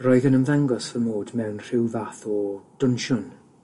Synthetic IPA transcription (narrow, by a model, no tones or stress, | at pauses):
rɔːɨðənəmvaŋɡɔsvəmoːdmɛwnr̥ɪwvaθɔd̥ʊnʃʊn